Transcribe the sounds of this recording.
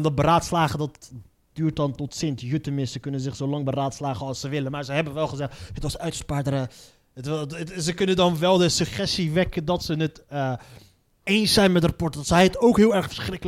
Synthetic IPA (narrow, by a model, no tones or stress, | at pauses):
ndɑt̚bəɾaːtslaːχədɑt̚ | d̥yːɹt̚dɑntɔtsɪntjøtəmɪssəkɵnənzɪχsowlɑŋbəraːtslaːχəɑlˠsəʋɪlənmaːɹzəɦɛbənʋɛlˠχəzɛχthətʋɑsœɥtə̥spaːdəɾə | ətsəkɵnəndɑnʋɛlˠdəsəχɛstiʋɛkəndɑtsənətə | ejnsɛjnmɛtrapɔɹtədtsɛjətowkɦɪːlˠɛɹχfəɹsχrɪkəl